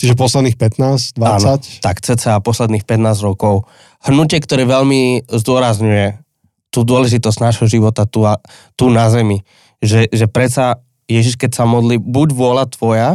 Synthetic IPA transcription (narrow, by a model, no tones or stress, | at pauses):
t͡ʃiʒɛpɔslɛd̪nixpɛt̪naːsd̪ʋaaːnat̪akt͡sɛt͡sɛapɔslɛd̪niːxpɛt̪naːzɾɔkɔʊ | hnucɪɛkt̪ɔɾɛːʋɛʎmizd̪ʊɔɾazɲujɛ | t̪uːd̪ʊɔlɛʒit̪ɔzɟnaːʒɦɔʒiʋɔt̪at̪uat̪unazɛmi | ʒɛʒɛpɾɛt͡sa | jɛʒiʃkɛcsamɔd̪liːbuɟʋʊɔlat̪ʋɔja